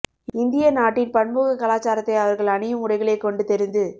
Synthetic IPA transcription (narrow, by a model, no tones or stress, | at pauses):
ɪnd̪ɪjɐnaːʈːɪnpɐɳmuːɣɐkɐlaːt͡ʃːaːɾɐt̪ːɐɪɐʋɐɾɣɐɭɐɳɪjɯmʊɽɐɪɣɐɭeːkɔɳɖɯt̪ɛɾɪnd̪ɯ